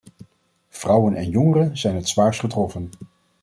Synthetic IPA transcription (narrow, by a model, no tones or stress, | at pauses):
v̥rʌwənɛnjɔŋərəzɛjnɦətsʋaːɹsχətrɔfən